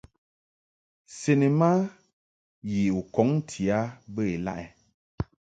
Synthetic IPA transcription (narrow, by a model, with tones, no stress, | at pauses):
se˨ni˨ma˦ | ji˨u˨kɔ˨˦ŋ˦tʰi˨a˦bə˦e˨la̰˦ʔɛ˨